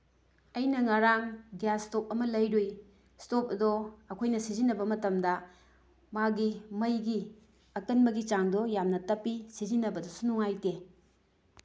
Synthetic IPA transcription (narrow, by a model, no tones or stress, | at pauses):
ɐjnɐŋaɾaŋɡijastop̚ɐmɐlɐjɾoj | stop̚ɐdɔɐkʰojnɐsizinːɐbɐmɐtɐmdɐ | maɡimɐjɡi | ɐkɐnbɐɡit͡ʃaŋdɔjamnɐtɐpːisizinːɐbɐdosunuŋajte